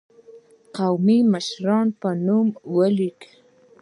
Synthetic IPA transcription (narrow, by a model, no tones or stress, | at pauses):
qɑwmimaʃɾɑnpanʊmwalɪk